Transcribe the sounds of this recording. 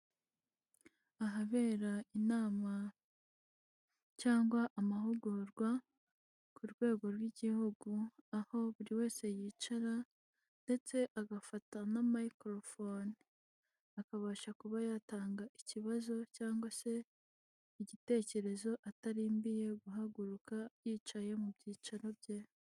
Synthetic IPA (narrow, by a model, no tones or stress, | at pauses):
aɦaβe̞ːɾainaːma | caːŋɡwaʔːmahuɡuɾɡwa | kʰuɾɡwe̞ːɡo̞ɾwiɟihuɡuaho̞βuɾiwe̞ːse̞jiːt͡ʃaɾa | nde̞t͡se̞ʔaɡafatanamaikɾo̞foni | akaβaːʃakuβajataːŋɡaʔiciβazo̞caːŋɡwase̞ | iɟite̞ːce̞ɾe̞zo̞ʔataɾiːmbije̞ɡuɦaɡuɾukajiːt͡ʃaje̞mubɟiːt͡ʃaɾobje